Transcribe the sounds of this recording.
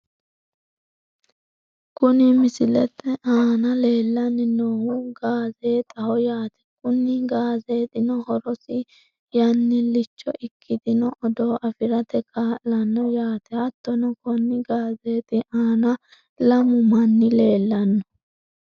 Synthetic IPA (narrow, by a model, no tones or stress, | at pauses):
kʊnɪmɪsɪlɛt̪ːɛʔaːnɐle̞ːlːɐnːɪnoːwuɡaːzeːt̪ʼɐhɔjaːt̪ɛ̥kʊnːɪɡaːzeːt̪ɪnɔhɔɾɔsɪ | jɐnːɪlɪt͡ʃːɔ̰ʔɪkʰːɪd̪ɪnɔʔɔd̪oːʔɐfɪɾɐt̪ɛkʼalɐnːɔjaːt̪ɛɐt̪ːɔnɔkɔnːɪɡaːzeːt̪ɪʔaːnɐ | lɐmʊmɐnːɪle̞ːlːɐnːɔ